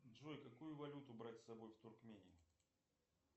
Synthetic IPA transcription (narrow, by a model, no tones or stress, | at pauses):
ʐɔjkakujʊvɐlʲut̪ʊbɾatʲsːabojft̪ʊrkmʲenʲɪjʊ